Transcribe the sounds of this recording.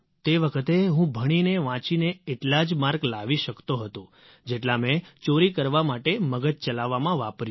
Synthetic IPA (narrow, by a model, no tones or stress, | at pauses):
t̪eʋəkʰət̪eɦũbʱəɽ̃ineʋãt͡ʃineeʈlad͡ʒmaɾɡlaʋiʃəkt̪oɦət̪õ | d͡ʒeʈlamẽt͡ʃoɾikəɾʋamaʈeməɡət̪̚t͡ʃəlaʋːamãʋapɾ